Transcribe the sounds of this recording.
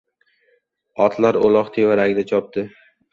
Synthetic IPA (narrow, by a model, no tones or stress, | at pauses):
ɒt̪ʰlaɾolˠɒqt̪ʰevaɾaɡʲd̪at͡ʃʰɒp̚t̪ɪ